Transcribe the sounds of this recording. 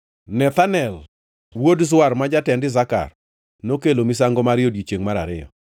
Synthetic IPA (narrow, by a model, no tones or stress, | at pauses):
nɛt̪anɛl | wodzwarmad͡ʒatɛndɪzaka̰r | nokelomis̬aŋɡɔmaɾjodit͡ʃeŋmaɾaɾɪjɔ̰